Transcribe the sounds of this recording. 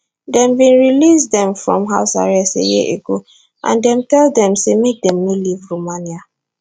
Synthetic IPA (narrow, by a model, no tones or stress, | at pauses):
dɛ̃mbĩnɹilisdɛ̃mfɹɔ̃mɦaʊsa̰ɹɛsḛjḭʔeɡo | ʔã̰ndɛ̃mtɛldɛ̃msemek̚dɛ̃mːelivɹomanja